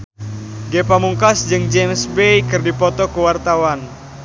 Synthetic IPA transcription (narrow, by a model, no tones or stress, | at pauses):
ɡepamuŋkasd͡ʒɨŋd͡ʒemsbejkɨrdipɔt̪ɔkuwart̪awan